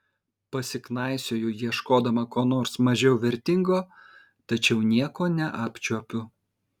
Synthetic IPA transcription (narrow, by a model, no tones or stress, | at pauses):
pɐsʲɪknɑˑɪsʲoːjʊjiɛʃkoːd̪ɐmɐkoːnoːɾsmɐʒʲɛʊʋʲɛɾʲt̪ʲɪŋɡoː | t̪ɐt͡ʃʲɛʊnʲiɛkoːnʲɛʔɑːpʲt͡ʃʲuɔpʲʊ